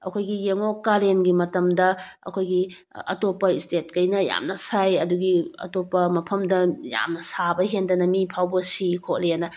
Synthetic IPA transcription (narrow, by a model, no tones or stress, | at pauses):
ɐkʰojɡijeŋokːaɾenɡimɐtɐmdɐɐ̰kʰojɡi | ɐ̰topɐistet̚kɐjnɐja̰mnɐsajɐduɡiɐ̰topɐmɐpʰɐmdɐja̰mnɐsabɐɦendɐnɐmipʰawbɐsikʰok̚leanɐ